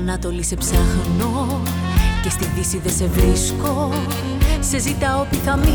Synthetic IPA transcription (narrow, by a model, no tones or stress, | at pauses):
nɐt̪o̞lise̞psɐxno̞ | ce̞st̪iðisiðese̞vɾisko̞ | sezit̪ɐop̪ikɐmi